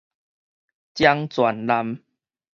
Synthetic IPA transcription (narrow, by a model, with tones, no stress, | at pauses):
t͡ɕja˦ŋt͡swa˨˩nla˧m